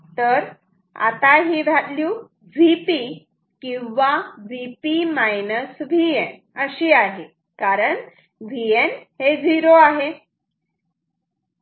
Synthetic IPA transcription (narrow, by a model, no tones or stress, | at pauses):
t̪əɾ | a̰t̪aɦiːʋʱat̪lju | ʋipi | kĩw̃ʋaʋipimajnəsʋien | əɕiːaɦe | kaɾəɳ | ʋienhed͡ziɾoaɦe